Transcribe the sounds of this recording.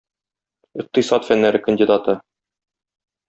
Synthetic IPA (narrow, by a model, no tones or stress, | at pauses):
iq̚t̪ɤsɑt̪fænːæɾɘkənʲdʲɪd̪at̪ɤ